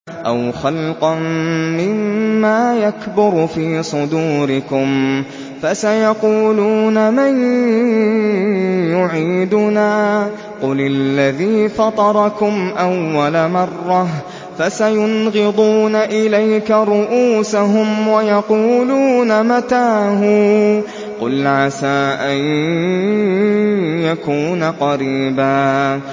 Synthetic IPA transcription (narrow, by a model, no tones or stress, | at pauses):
ʔa̰wxɑlqɑnmɪmːaːjakbʊɾfiːsˤʊd̪uːɾɪkʊm | fasajɑquːluːnaman | jʊʕiːd̪ʊnaː | qʊlalːaðiːfɑt̪ˤɑɾˤɑkʊmʔawːalamɑrˤːɑ | fasajʊnɣɨd̪ˤuːnaʔɪlajkaɾʊʔuːsaɦʊmwajɑquːluːnamat̪aːɦʊ | qʊ̰lʕasaːʔan | jakuːnaqɑɾiːbaː